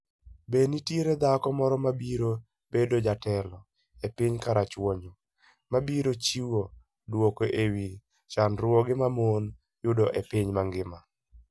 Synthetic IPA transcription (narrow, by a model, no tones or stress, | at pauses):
benitjeɾed̪akɔmɔɾɔmabiɾo | b̥edod͡ʒatɛlɔ | epiɲkaɾat͡ʃwoɲo | mabiɾot͡ʃiwo | dwokoʔewi | t͡ʃanɾwɔɡɪmamon | jʊdɔʔepiɲmaŋɡɪma